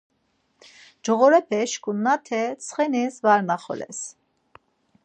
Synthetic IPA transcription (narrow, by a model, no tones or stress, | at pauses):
d͡ʒɔɣɔɾɛpʰɛʃkʰunːat̪ʰɛt͡sʰχɛnisvaɾnaχɔ̰lɛ̰s